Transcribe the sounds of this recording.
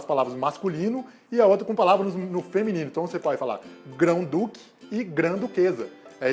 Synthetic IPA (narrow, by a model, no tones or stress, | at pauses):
spalavɾɐzmaskulĩnʊ | ɪɐot̪ɾɐkõpalavɾɐnʊznʊfemĩnĩnʊ̃ĩt̪ɐ̃osepɔd͡ʒɪfala̰ɡɾɐ̃w̃d̪ukɪ̥ | ɪɡɾɐ̃d̪ukezɐɛ